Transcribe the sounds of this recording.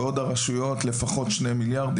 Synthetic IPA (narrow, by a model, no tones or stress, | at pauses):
o̞daʁaʃujo̞tle̞faχo̞tʃnemiljaʁd̪i